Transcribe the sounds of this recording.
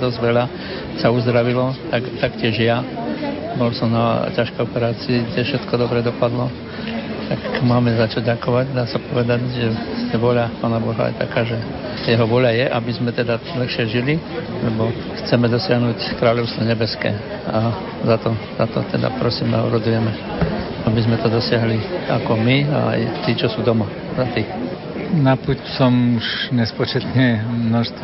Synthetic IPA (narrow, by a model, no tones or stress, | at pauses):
d̪ɔzɟʋɛʎa | sauzd̪ɾaʋilɔt̪akt̪akcɪɛʒja | bɔlsɔmnacaʃkɛjɔpɛɾaːt͡siːɡdɛfʃɛt̪kɔd̪ɔbɾɛd̪ɔpad̪lɔ | t̪akmaːmɛzat͡ʃaɟɟakɔʋaɟd̪aːsapɔʋɛd̪aɟʒɛɛʋɔʎapaːnabɔɦa̰jɛ̰t̪akaːʒɛ | jɛɦɔʋɔʎajɛʔabizmɛt̪ɛd̪alɛxʃɪɛʒili | lɛbɔ | xt͡sɛmɛd̪ɔsɪaɦnuːckɾaːʎɔʊst̪ʋɔɲɛbɛskɛ̰ː | a | zat̪ɔzat̪ɔ̰t̪ɛd̪a̰pɾɔsiːma̰ɔ̰ɾɔd̪ujɛmɛ | abizmɛt̪ɔd̪ɔsɪaɦliakɔmia̰a̰jt̪iːt͡ʃɔsuːd̪ɔma | zat̪ix | napucsɔmuʃɲɛspɔt͡ʃɛt̪ɲɛmnɔʃst̪